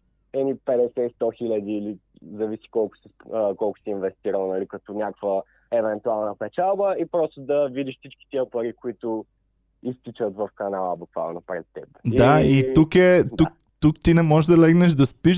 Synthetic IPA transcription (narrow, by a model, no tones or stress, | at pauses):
ɛnipɛd̪ɛsɛst̪ɔxilʲɐd̪iːlizɐvisi̥kɔlˠkʊ̥si̥kɔlˠkʊ̥siːnvɛst̪iɾɐlˠnɐlikɐt̪ɔnʲakvə | ɛvɛnt̪ualˠnəpɛt͡ʃalˠbəipɾɔst̪ʊd̪ɐvid̪iʃfsit͡ʃki̥t̪iəpɐɾikʊit̪ʊ | ist̪it͡ʃət̪vɐfkɐnalˠəbukva̰lˠnopɾɛt̪ːɛp̪ait̪ukɛd̪uk̚ | t̪ukt̪inɛmɔɛʒd̪ɐlɛɡnɛʒd̪ɐspiʃ